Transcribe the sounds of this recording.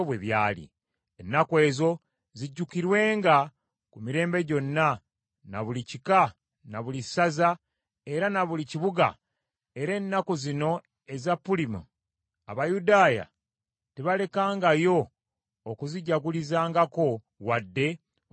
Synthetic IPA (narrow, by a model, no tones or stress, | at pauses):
βweβjaːlḭ | enːakwe̞ːzo̞ | ziɟːukiɾwe̞ːŋɡa | kumiɾe̞ːmbe̞ɟo̞nːa | na̰βulicika | naβulisaza | e̞ɾanaβuliciβuɡa̰ | e̞ɾe̞ːnːakozino̞ | e̞zapːulimu | aβajudaːja̰ | teβale̞kaːŋɡajo̞ː | kuziɟaɡulizaːŋɡako̞ | wadːe̞